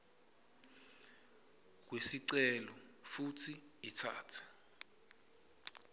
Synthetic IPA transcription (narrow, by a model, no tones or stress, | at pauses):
k̬wesiǀɛlɔ | futʰiitʰa̰ːtʰɛ̥